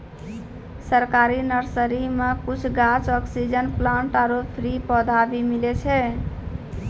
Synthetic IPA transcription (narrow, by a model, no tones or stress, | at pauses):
səɾkaɾinəɾsəɾimekut͡ʃʰɡat͡ʃɔksid͡ʒənplãɳʈaɾopʰɾipəd̪ʱabimilet͡ʃʰɛ